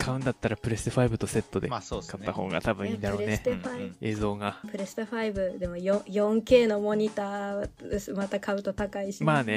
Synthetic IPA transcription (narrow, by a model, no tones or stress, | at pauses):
kʰaɯ̟̃nd̪at̪ːaɾapɯ̟ɾe̞sɨ̥t̪oɸaibɯ̟t̪o̞se̞t̪ːo̞d̪e̞kʰat̪ːaho̞̰ːɡa̰t̪abɯ̟̃ĩnd̪aɾo̞ːneɸaie̞ːzo̞ːɡapʰɯ̟ɾesɨ̥t̪oɸaibɯ̟d̪e̞mo̞jõjõ̞ŋke̞ːno̞mo̞ɲ̟it̪aːesɨmat̪akʰaɯ̟t̪ot̪akaiɕimaːne